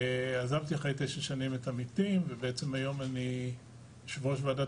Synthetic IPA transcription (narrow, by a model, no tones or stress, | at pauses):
azavt̪iaχejt̪eʃaʃanimetamitimvebeet͡semajo̞mani | ʃvoʃvada